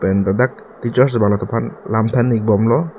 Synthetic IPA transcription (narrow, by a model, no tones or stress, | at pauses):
pɛndadak̚ | tit͡ʃɔɾs̬baŋlat̪ʰɔpʰanlamt̪ʰanik̚bɔmlɔ